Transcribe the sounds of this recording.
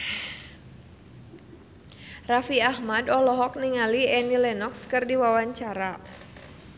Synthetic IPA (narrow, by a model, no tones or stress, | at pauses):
rafiahmadɔlɔɦɔk̚niŋaliɛnilɛnɔkskɨrdiwawaɲt͡ʃaɾa